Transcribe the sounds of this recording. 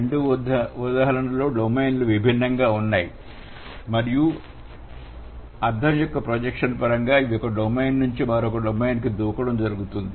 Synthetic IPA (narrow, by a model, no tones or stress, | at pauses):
ɾeɳɖuud̪aːɦɐɾɐnɐlo̞ːɖomejnluʋibʱinːɐŋɡaːunːaːjḭ | mɐɾiju | ɐɾd̪ʱɐmjɔkːɐpɾod͡ʒekʂɐnpɐɾɐŋɡaːiʋiɔkːɐɖomejnnuɲt͡ʃiʋɐɾɔkɐɖomejnkid̪uːkɐɽɐmd͡ʒɐɾuɡut̪und̪i